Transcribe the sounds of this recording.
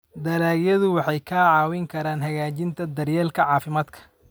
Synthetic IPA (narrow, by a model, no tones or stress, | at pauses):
d̪ɐlaːɡjɐðʊwɑħɑjkʰaːʕɑːwɪŋkʰɐɾaːnɦɐɣaːt͡ʃɪnt̪ʰɐd̪ɐrjɛːlkʰɐʕɑːfɪmaːd̪kʰɐ̥